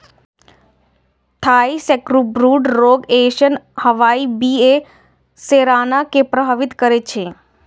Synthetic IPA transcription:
t̪ʰaisɛkɾubɾuɖɾoːɡeʃənhəʋaibie | seɾanakepɾəbʱaʋit̪kəɾet͡ʃʰe

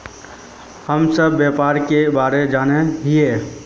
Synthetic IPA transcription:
həmsəbːjapaːɾkebaːɾed͡ʒaːneɦie

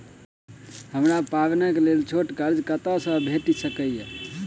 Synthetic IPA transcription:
həmɾapabnəkelelt͡ʃʰoʈkəɾd͡ʒkət̪asə̃bʱeʈisəkəje

